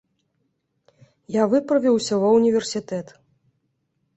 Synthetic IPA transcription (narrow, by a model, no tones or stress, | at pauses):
javɨpɾɐvʲiwsʲɐvɐwnʲivʲɛrsʲit̪ɛt̪